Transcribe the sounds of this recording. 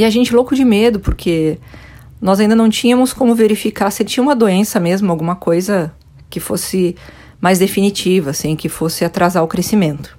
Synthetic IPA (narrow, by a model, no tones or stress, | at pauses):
ɪaʒẽnt͡ʃɪlowkʊd͡ʒɪmed̪ʊpoɾkʰe | nɔzaĩnd̪ɐnɐ̃w̃t͡ʃĩɲɐ̃mʊskõmʊveɾifikaset͡ʃĩɲɐũmɐd̪oẽsɐmezmʊawɡũmɐkojzɐ | kɪfosɪ | majzd̪efinit͡ʃivɐsĩkɪfosɪat̪ɾazaɾʊkɾesimẽnt̪ʊ̥